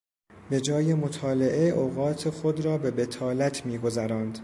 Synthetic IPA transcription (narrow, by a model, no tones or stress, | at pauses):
be̞d͡ʒɒːjemo̞t̪ʰɒːle̞ʔeʔoɣɒːt̪ʰe̞xo̞d̪ɾɒːbe̞be̞t̪ʰɒːlæt̪ʰmiːɡo̞zæɾɒːnd̪̥